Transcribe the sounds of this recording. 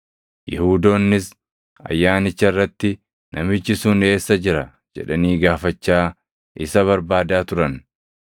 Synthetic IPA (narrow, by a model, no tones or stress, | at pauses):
jɪhuːd̪o̞ːnːɪs | ɐ̰jːaːnɪt͡ʃːɐrːɐt̪ːɪ | nʔɐmɪd͡ʒːɪsuːne̞ːsːɐd͡ʒɪɾɐ | d͡ʒɛ̰ᶑɐniːɡaːfɐt͡ʃːaː | ʔɪsɐβɐɾbaːd̪aːt̪ʊɾɐn